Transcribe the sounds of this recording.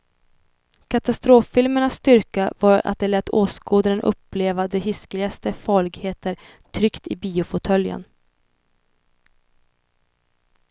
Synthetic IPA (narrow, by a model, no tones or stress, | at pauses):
kʰat̪ast̪ɾoːfːɪlməɳasːt̪ʏɾkavɑɾa̰t̪̚d̪ɛlɛt̪ːʰoːskoːd̪əɾənʔɵ̰pːleːvad̪ɛɦɪsklɪɡast̪əfɑːɭɪɡheːt̪ʰəɾ | t̪ʰɾʏkt̪ɪbiːʊfʊt̪ʰœljə̰n